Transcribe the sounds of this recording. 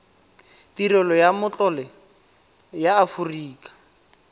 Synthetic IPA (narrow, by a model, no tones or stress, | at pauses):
tiɾɔlɔjamʊt͡ɬʼɔlɛ | jaːfuriːkʼḁ